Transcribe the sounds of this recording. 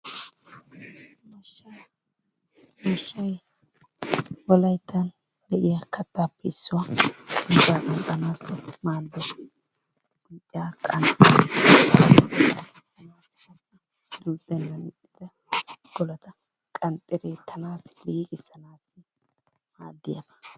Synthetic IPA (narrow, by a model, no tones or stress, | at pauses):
mɐʃːɐ | mɐʃːɐj | wɔlɐjt̪ːɐn | d̪ɛʔɪjɐkʰɐt̪ːaːpːɛɪsːʊwaʊbaːkʼɐnt̪ʼːɐnaːsɔmaːd̪ːɔ | ɡ̥ʊtʼːɪjaːkʼɐ̰n | ɐkɪsɐnaːskɐsɐ | lud̪ɛnːɐnɪtʼːɪd̪ɛ | ɡ̥ɔlɐt̪ɐ | kʼɐnt̪ʼɪɾeːt̪ʰːɐnaːsɪliːkʼɪsːɐnaːsːɪ | maːd̪ːɪjɐ̰bɐ̥